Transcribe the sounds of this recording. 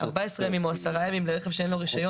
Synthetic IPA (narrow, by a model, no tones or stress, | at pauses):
a̰ʁbaesʁemimoasaʁajamimleʁeχevʃeenlo̞ʁiʃajo